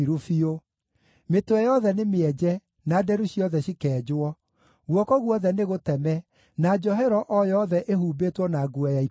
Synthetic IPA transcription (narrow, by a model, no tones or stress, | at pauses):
ɾofio | metoɛjɔðɛnemeɛd͡ʑɛ | nadɛɾuɕiɔðɛɕikɛːd͡ʒwɔ | ɣwɔkɔɣwɔðɛneɣotɛmɛ | nad͡ʑɔɦɛɾɔʔɔjɔðɛʔehuːbetwɔnaɡuajai